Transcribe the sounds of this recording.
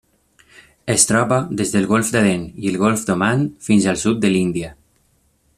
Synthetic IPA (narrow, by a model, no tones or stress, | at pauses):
est̪ɾɔpad̪ezðəlˠɣolfd̪alenielɣolfd̪omanfinzalˠsut̪̚d̪əlind̪ia